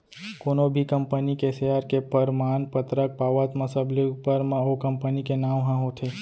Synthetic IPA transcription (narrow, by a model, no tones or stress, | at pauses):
konobʱikəmpənikeseaɾkepəɾmanpət̪ɾək̚paʋat̪məsəbleupəɾmãokəmpənikenãʋɦãɦot̪ʰe